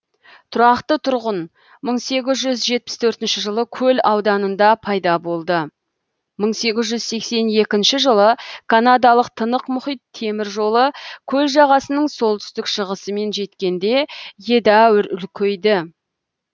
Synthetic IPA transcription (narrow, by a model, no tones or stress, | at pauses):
t̪ʰʊɾɑqt̪ət̪ʰʊɾʁən | məɴse̞ɡʲɪzʒʏzʒe̞t̪̚pɪ̥st̪ʰɵɾt̪ɪnʃɪʒəlˠəkʲʰɵlɑwd̪ɑnənd̪ɑpʰɑjd̪ɑbo̞lˠd̪ə | məɴse̞ɡʲɪzʒʏzse̞kse̞nje̞kʲɪnʃɪʒəlˠəkʰanad̪ɑlˠəq̚t̪ʰənəqmʊχijt̪ʰːe̞mɪɾʒo̞lˠəkʲʰɵlʒɑʁɑsənəɴso̞lˠt̪ʏ̥st̪ɪkʃəʁəsəme̞nʒe̞t̪kʲe̞nd̪e̞je̞d̪æwʏɾʏlkʲʰejd̪ɪ